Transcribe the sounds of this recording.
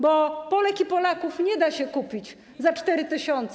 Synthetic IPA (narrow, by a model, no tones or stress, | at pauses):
bɔpɔlɛkipɔlakufɲɛd̪aɕɛkupʲit͡ɕ | zat͡ʂt̪ɛɾɘt̪ɘɕɔnt̪s